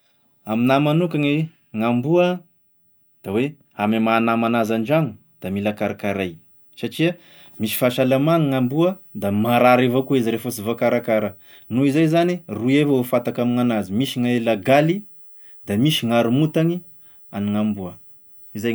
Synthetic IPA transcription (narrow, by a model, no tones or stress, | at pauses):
aminamanukaŋi | ŋambuə | d̪̥awe | amimanamanazanɖ͡ʐaŋu | d̪̥amilakaɾakaɾaj | saʈ͡ʂiə | misi̥faʃalamaŋiŋambuəd̪amaɾaɾevakuizɾefusivakaɾakaɾə | nuizajzaniruevawefat̪akamiŋanazimisiŋaelaɡali | d̪amisiŋaɾumut̪aŋi | aniŋambuə | izaj